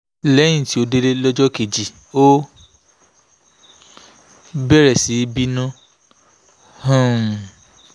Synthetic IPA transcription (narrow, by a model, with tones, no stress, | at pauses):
lɛ˨˦ĩ˦˨ti˨˦o˧de˦le˦lɔ˦d͡ʒɔ˦ke˨d͡ʒi˨ | o˦ | bɛ˦ɾɛ˨si˨˦bi˦nũ˦ | hã˦˨